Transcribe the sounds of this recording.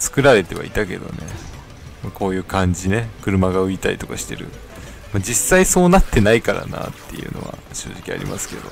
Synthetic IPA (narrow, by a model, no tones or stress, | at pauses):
t͡sɨ̥kɯ̟ɾaɾe̞t̪e̞βa̰it̪ake̞d̪o̞̰ne̞ | mako̞ːjɯ̟ːkãɲ̟d͡ʑine̞kɯ̟ɾɯ̟maɡaɯ̟it̪aɾʲit̪o̞kaɕi̥t̪e̞ɾɯ̟ | mad͡ʑisːaiso̞ːnat̪ːe̞naikaɾa̰na̰ːt̪ʰːe̞jɯ̟no̞̰βa̰ɕo̞ːʑikʲia̰ɾʲḭmʔasɨ̥ke̞d̪o̞